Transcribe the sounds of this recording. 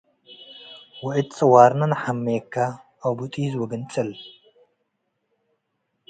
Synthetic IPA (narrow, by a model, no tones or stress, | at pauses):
wʊʕɨt̪t͡sʼɐwaːɾnɐnħamːekʰːaː | wbut̪ʼizwɐɡɐnt͡sʼɐl